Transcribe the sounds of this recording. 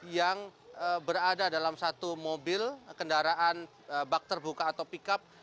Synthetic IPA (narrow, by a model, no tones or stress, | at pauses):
jaŋəbəɾadadalamsat̪umobɪlkəndaɾaʔan | əbak̚t̪ərbukaːt̪awpikap̚